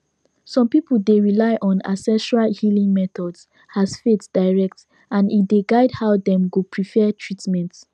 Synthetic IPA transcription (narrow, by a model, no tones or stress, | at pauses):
sɔ̃mpipuldeɹilaɪʔɔ̃na̰sɛʃalhilĩŋmɛt̪ɔds | hazfetd̥aɪɹɛk̚t | ãnitdeɡaɪdhaʊdɛ̃mɡupʰɹifɛtʰɹitmɛ̃nt